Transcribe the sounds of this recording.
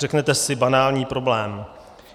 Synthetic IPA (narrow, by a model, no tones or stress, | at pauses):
rɛknɛt̪ɛsɪbanaːlɲiːpɾo̞blɛːm